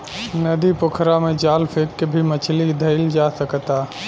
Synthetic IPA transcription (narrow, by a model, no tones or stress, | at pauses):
nəd̪ipʊkʰɾamẽd͡ʒaːlpʰeːkːebʱimət͡ʃʰlid̪ʱəɪld͡ʒasəkt̪aː